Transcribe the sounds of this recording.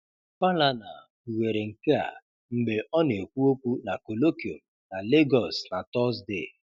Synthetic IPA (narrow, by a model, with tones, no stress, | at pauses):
pa˦la˦na̰˨ | u˨we˨ɾe˨ŋ̩˨ke˦a̰˨ | m̩˨ɡ͡be˨ʔɔ˦ne˨e˨kʷu˦o˦kʷu˦na˨ko˨lo˦ki˨o̰˨m | na˨le˦ɡɔ˨sna˨tɔ˦s̬de˨